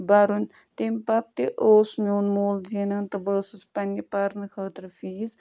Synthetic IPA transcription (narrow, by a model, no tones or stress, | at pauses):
bɐɾun | t̪empɐp̚t̪iʔoːsmʲoːnmoːlzenɐnt̪ɐbəːsɨspɐnʲipɐɾnɨkʰəːt̪ɾfiːz